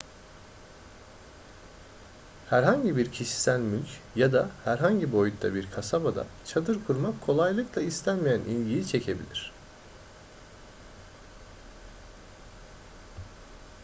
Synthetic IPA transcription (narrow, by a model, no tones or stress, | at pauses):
hæɾɦaɲɟibiɾcʰiʃi̥sænʲmylʲcjad̪ahæɾɦaɲɟibo̞jut̪ːa̰biɾkʰasabad̪a̰t͡ʃʰad̪ɯɾkʰuɾmakkʰːo̞lˠajlˠɯklˠaist̪ʰænmijænʔḭnɟiit͡ʃʰe̞cʰe̞bḭlʲiɾ̥